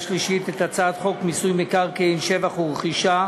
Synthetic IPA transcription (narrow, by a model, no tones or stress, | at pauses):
ʃliʃit̪et̪at͡saːt̪χo̞kmisujmikaʁkeinʃevaχuʁeχiʃa